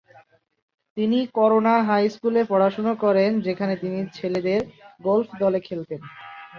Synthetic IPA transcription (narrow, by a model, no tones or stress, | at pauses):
t̪inikɔɾonaɦajskulepɔɽaʃonokɔɾend͡ʑekʰanet̪init͡ɕʰeled̪eɾɡolfʰd̪ɔlekʰelt̪en